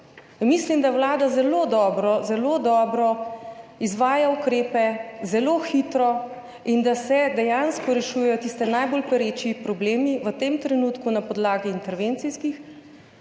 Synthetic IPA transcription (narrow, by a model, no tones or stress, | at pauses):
mislimd̪awlaːd̪azɛloːd̪ɔːbɾɔzɛlod̪ɔːbɾɔ | izʋaːjaukɾeːpɛzɛloːxit̪ɾɔ | ind̪asɛd̪ɛjanskɔɾɛʃuːjɛjɔt̪ist̪ɛnajbolpɛɾet͡ʃipɾɔbleːmiʋət̪emt̪ɾɛnuːt̪kunapɔd̪laːɡiːnt̪ɛɾʋent̪sijskix